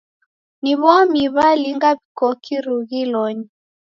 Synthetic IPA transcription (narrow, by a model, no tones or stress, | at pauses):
niβɔmiβaliŋɡaβikɔkʰiɾuɣilɔɲi